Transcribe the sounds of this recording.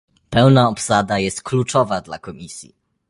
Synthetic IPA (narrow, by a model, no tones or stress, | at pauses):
pɛwnaɔpsad̪ajɛst̪̚klut͡ʂɔvad̪la̰kɔmʲisʲjḭ